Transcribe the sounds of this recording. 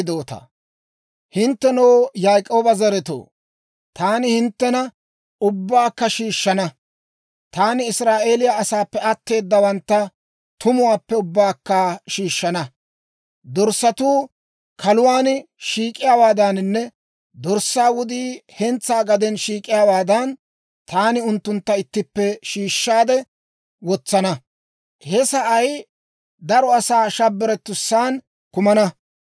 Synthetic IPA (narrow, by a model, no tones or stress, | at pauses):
d̪o̞ːt̪ɐ̰ | hɪnt̪ːɛnoːjaːjkʼo̞ːbɐzɐɾɛt̪o̰ː | t̪aːnɪhɪnt̪ːɛnɐ | ʊbːaːkːɐʃiːʃːɐnɐ | t̪aːnɪɪsɾaːʔe̞ːlɪjaɐsaːpːɛɐt̪ːe̞ːd̪ːɐwɐnt̪ːɐ | t̪ʰʊmʊwaːpːɛʊbːaːkːɐʃiːʃːɐnɐ | d̪ɔɾsːɐt̪uː | kɐlʊwaːnʃiːkʼɪjaːwaːd̪ɐnnːɛ | d̪ɔɾsːaːwʊd̪iːhɛnt͡sːaːɡɐd̪ɛnʃiːkʼɪjaːwaːd̪ɐn | t̪aːnɪʊnt̪ːʊnt̪ːɐɪt̪ːɪpːɛʃiːʃːaːd̪ɛ | wɔt͡sːɐnɐ | hɛsɐʔɐj | d̪ɐɾɔɐsaːʃɐbːɛɾɛt̪ːʊsːaːn | kʊmɐnɐ